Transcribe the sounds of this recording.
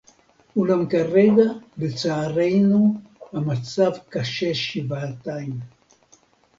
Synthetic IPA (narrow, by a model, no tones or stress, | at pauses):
ulamkareɡabet͡saːɾejnuamat͡savkaʃeʃivaːt̪ajm